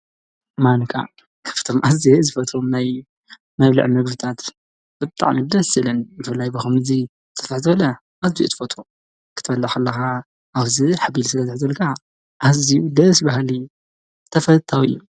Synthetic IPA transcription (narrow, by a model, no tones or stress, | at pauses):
mankʰa̰ | kʰɐ̥ft̪ʰomʔazezɨfɐt̪ɾomnaj | mɐβlɨ̰ʕmɨɡbɨt̪ʰat̪ | b̥ɨt̪ʼa̰ʕmid̪ɐsɨlɨnbɨfɨlːajbɐxumɨzi | tt̪ʰɐfɨħzɨβɐlɐ | ʔaziṵt̪ʰɨ̥fɐt̪o | kʰɨt̪ʰɨfɐlːɐxɐlːɐxa | ʔːβziħabilsɨlɐziħzɐlkʰa | ʔazijud̪ɐsbahli | t̪ʰɐfɐt̪ʰawḭːu